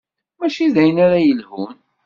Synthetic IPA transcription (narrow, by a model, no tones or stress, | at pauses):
mæʃiðæjənaɾajəlhun